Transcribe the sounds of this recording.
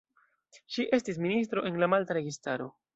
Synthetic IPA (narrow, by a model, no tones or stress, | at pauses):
ʃiʔe̞stis̬minis̬tɾo̞ʔe̞nlamaltaɾe̞ɡistaɾo̞